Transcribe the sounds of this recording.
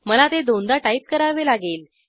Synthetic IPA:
məlat̪ed̪ond̪aʈaip̚kəɾaʋelaɡel

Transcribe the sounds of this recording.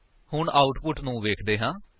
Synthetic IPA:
hʊɳaːʊʈpʊʈnũːʋeːkʰd̪eːɦãː

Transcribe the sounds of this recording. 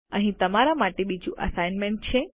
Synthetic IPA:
əɦĩt̪əmaɾamaʈebid͡ʒũʔə̰sajnmẽɳʈ̚t͡ʃʰe

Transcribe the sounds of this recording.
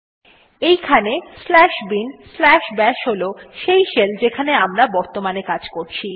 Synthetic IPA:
ejkʰaneslɛʃbinslɛʃbɛʃɦoloʃejʃeld͡ʑekʰaneamɾabɔɾt̪omanekad͡ʑkoɾt͡ɕʰi

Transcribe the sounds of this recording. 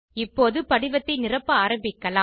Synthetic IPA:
ɪpːoːðɯpɐɽɪʋɐt̪ːɐɪnɪrɐpːɐaːɾɐmbɪkːɐlaː

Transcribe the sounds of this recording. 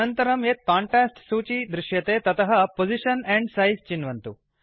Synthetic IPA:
ɐnt̪ɐɾɐmeːt̪̚kaːɳʈɾaːsʈsuːt͡ʃid̪ɾiʃjɐt̪eːt̪ɐt̪ɐɦɐpod͡ʒiʃɐnɛɳɖsɐjzt͡ʃinʋɐnt̪u

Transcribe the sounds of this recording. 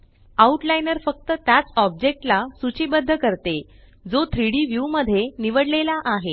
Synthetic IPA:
auʈlainəɾfək̚t̪ət̪jat͡sɔb̚d͡ʑek̚ʈlasut͡ɕiːbəd̪ʱːəkəɾt̪e | d͡zot̪ʰɾiɽiʋjuməd̪ʱːjeniʋəɽlelaʔaɦe

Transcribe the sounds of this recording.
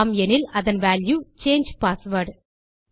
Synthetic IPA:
mɛnɪlɐðɐnʋæːljut͡ʃeːnd͡ʒpaːsʋɐɾɖ

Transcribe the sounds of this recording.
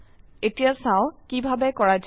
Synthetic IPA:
etijasãʊ̃kibʱabɛkɔɹad͡ʒ

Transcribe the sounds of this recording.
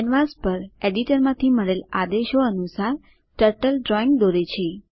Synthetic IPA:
ɛnʋaspəɾeɖiʈəɾmãt̪ʰiməɭela̰d̪eʃoənusaɾ | ʈəɾʈəlɖɾɔiŋɡ̚d̪oɾet͡ʃʰe

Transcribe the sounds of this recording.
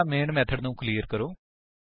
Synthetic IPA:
meːɳɖmet̪ʰɐɖnuːkliːɐɾkɐɾu

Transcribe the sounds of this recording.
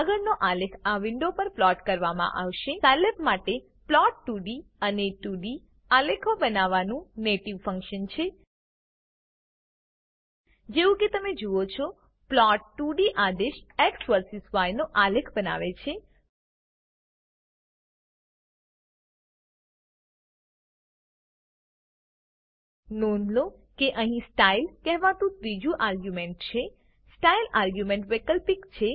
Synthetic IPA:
əɡəɾnoʔalekʰaʋɪɳɖopəɾplɔʈkəɾʋamã̰ʔaʋʃesalepmaʈe | plɔʈːuɖiəneʈuɖi | alekʰobənaʋanũneʈiʋfə̃ŋkʃənt͡ʃʰe | d͡ʒeʋũket̪əmed͡ʒuot͡ʃʰo | plɔʈːuɖiʔad̪eʃeksʋəɾsisʋajnoʔaləkʰbəna̰ʋet͡ʃʰe | nonlokeʔəɦĩsʈailkɛɦʋãt̪ũt̪ɾid͡ʒuʔaɾɡjumeɳʈ̚t͡ʃʰe | sʈailaɾɡjumẽɳʈʋekəlpikt͡ʃʰe

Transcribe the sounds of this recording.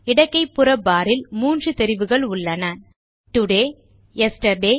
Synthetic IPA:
ɪɽɐkːɐɪpːɯɾɐbːaːɾɪlmuːndrɯt̪ɛɾɪʋɯɣɐɭʊɭːɐnan | t̪ʊɽeː | ɛsʈɐɾɖeː

